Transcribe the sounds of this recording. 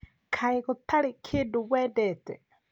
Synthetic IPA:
kʰaeɣɔt̪aɾekʰedowɛːdɛːtɛ

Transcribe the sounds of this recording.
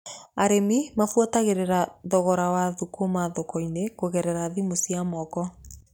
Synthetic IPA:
aɾemimafuataɣeɾeɾaðɔɣɔɾawaðukomaðokɔinekoɣɛɾɛɾaðimosiamɔkɔ

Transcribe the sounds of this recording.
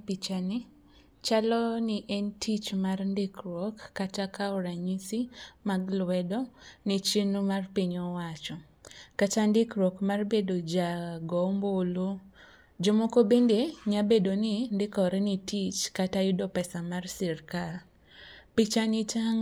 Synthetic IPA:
pit͡ʃani | t͡ʃalɔniʔɛntʰit͡ʃmarndɪkɾɔkːatakaɔɾaɲisimaɡlwɛdɔnit͡ʃinumarpiɲɔwat͡ʃɔ | kat͡ʃandɪkɾwɔkmarbedod͡ʒaɡɔmbolu | d͡ʒomokobendeɲabedonindɪkɔɾɛnitit͡ʃkatajʊdɔpɛsamarsɪrka | pit͡ʃanɪt͡ʃaŋ

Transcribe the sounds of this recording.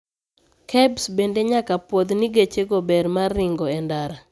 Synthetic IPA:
kʰɛbsbendeɲakapwɔd̪niɡet͡ʃeɡɔbɛɾmarːɪŋɡɔɛndaɾa

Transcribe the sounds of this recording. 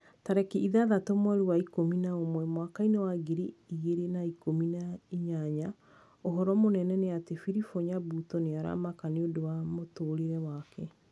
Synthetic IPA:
taɾɛkiʔiðaðatɔmwaɾuwaikominaomwɛmwakainewaɡeɾiiɣeɾenaikominaiɲaɲa | oɦɔɾɔmonɛnɛneatefiɾifoɲabutɔneaɾa̰makaneodowamotoːɾeɾɛwakɛ

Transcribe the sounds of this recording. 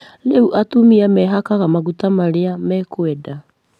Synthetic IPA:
neuʔatumiamɛɦakaɣamaɡutamaɾeamɛkueda

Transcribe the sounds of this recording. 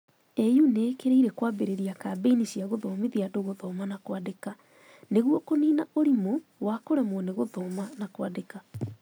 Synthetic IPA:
ejuneːkeɾeiɾɛkwaːbeɾeɾiakaːbeiniɕiaɣoðɔmeðiadoɣoðɔːmanakwadeka | neɣwɔkoniːnaʔoɾimowakoɾɛmɔneɣoðɔːmanakwadeka

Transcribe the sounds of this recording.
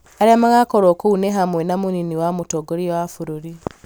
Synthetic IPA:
aɾemaɣakoɾoːkouneɦamwenamuniniwamutoɡoɾiwafuɾuɾi

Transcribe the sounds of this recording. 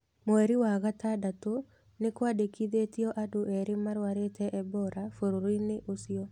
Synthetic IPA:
mɔɛɾiwaɣatadato | nɪkwadekiðetiɔʔadoʔɛɾɪmaɾwaɾetʰɛʔɛbɔɾafoɾoɾoineʔosiɔ

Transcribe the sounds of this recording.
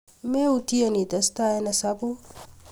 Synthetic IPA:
meut̪iɐnid̪ɐst̪aenɐsabu

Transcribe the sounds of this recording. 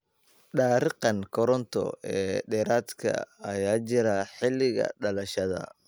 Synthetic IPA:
ɖaːɾɪqɑnkʰɔɾɔnt̪ʰɔ̰ɛːɖɛːɾaːd̪kʰɐ̰ɐjaːt͡ʃɪɾɐħɪlːɪɣɐ̰ɖɐlɐʃɐðɐ̰

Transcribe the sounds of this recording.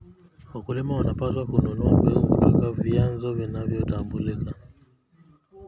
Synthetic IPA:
wakulimaunapatwakunɔnɔambɛkṵtɔkavianzɔvinavjɔtambulika

